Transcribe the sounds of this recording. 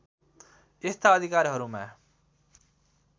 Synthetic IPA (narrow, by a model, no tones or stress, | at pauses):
est̪aʌd̪ʱikaɾɦʌɾuma̰